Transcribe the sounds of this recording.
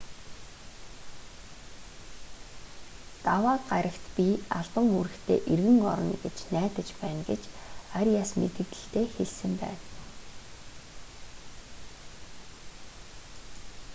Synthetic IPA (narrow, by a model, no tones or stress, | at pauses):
t̪awaːt̪ɢaɾə̆kt̪pʲiaɮpə̆ŋuɾɘ̆xt̪ʰeːʔerɣɘ̆ŋɔ̰ɾɞ̆nɡet͡ɕnæːt̪ə̆t͡ɕpæːnɡet͡ɕarʲjaːsmet̪ɘ̆kt̪ɘ̆ɬt̪ʰeːxeɮsɘ̆mpæ̰ːn